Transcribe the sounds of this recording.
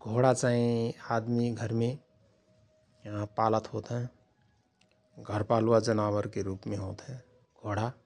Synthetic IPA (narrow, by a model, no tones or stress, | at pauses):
ɡʱoːɽat͡ʃaːĩaːd̪miɡʱəɾmẽ | ãpaːlət̪ɦoːt̪ɦɛ̃ | ɡʱəɾpaːlwad͡ʒənaːwəɾkeɾuːpmẽɦot̪ɦɛ̃ | ɡ̥ʱoːɽa